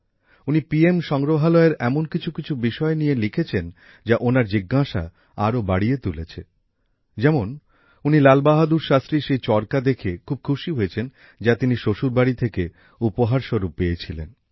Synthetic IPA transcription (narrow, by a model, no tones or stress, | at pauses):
unipiemʃɔŋɾoɦalɔeɾɛmonkit͡ɕʰukit͡ɕʰubiʃɔenijelikʰet͡ɕʰen | d͡ʑaʔonaɾd͡ʑiɡːaʃa̰ | aɾobaɽiet̪ulet͡ɕʰe | d͡ʑɛmon | unilalbaɦad̪uɾʃast̪ɾiʃejt͡ɕɔɾkad̪ekʰekʰub̚kʰuʃiɦojet͡ɕʰen | d͡ʑat̪iniʃoʃuɾbaɽit̪ʰeke | upoɦaɾʃoɾupːeet͡ɕʰilḛn